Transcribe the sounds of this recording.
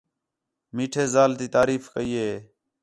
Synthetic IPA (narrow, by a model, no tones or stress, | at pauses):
miːʈʰeːzaːlt̪iːt̪aːɾiːfkəiːɦeː